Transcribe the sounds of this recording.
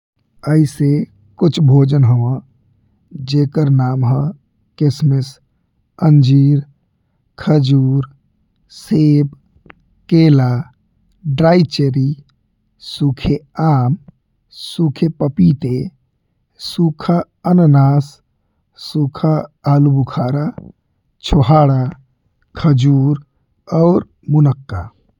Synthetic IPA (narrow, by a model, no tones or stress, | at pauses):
əise | kʊt͡ʃʰbʱoːd͡ʒənɦəʋə̃ | d͡ʒekəɾnaːmɦə̃ | kɪsmes | ənd͡ʒiːɾ | kʰəd͡ʒuːɾ | seːb | keːla | ɖɾaːit͡ʃeɾi | sukʰeaːm | sukʰepəpit̪e | suːkʰa | ənnaːs | sukʰaːlubukʰaːɾa | t͡ʃʰoɦaːɽa | kʰəd͡ʒuːɾ | ɔːɾ | munəkːa